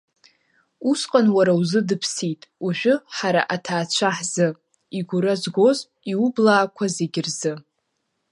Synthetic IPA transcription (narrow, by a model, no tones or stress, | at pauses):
usqʼanwaɾawzɨdɨpʰsitʼuʒᶣʊħaɾaʔatʰaːt͡ɕʷʰaħz̥ɨ | iɡʷʊɾazɡo̞z | iublaːkʷʰazeɡʲɪrzɨ